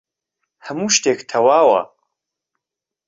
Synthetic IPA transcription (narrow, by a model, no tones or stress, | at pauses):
ħəmuʃtʰeːxtʰɐwaːwɐ̰